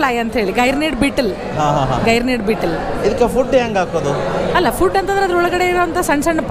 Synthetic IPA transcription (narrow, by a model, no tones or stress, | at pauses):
laːjɐnt̪ɐɦeːɭiɡɐjɾneːʈbiːʈːɐl | ɦãːɦaːɦa̰ɡɐjɾneːʈ̚biːʈɐlid̪ɐkːepʰuɖɦeːŋɡaːkoːd̪uɐlːɐpʰuɖːɐnt̪ɐnd̪ɾeɐd̪ɾɔɭɐɡɐɽe̞iɾoʋɐnt̪ɐsɐɳsɐɳɐp